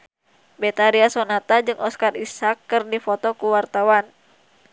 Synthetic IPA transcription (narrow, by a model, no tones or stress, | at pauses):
bɛt̪aɾiasonat̪ad͡ʒɨŋɔskarisakːɨrdifɔt̪ɔkuwart̪awan